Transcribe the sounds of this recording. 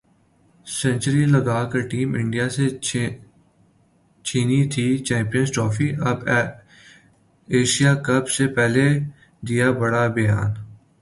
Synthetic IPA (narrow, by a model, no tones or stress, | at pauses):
sɛ̃nt͡ʃəɾiləɡaːkəɾʈiːmɪ̃ɳɖijase | t͡ʃʰiːnit̪ʰit͡ʃɛ̃ːmpijənzʈɾɔːfiʔɐb | eːʃijaːkɐbsepɛːle | d̪ɪjabɐɽabɐja̰ːn